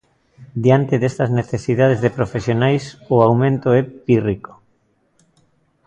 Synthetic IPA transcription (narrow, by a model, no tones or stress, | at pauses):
d̪jant̪eðest̪ɐzneθesiðað̞ezðepɾofesjonajsʊawmẽnt̪ʊɛpiriko̥